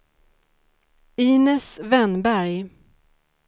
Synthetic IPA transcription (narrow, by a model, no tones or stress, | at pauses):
iːnɛsvɛnbæɾj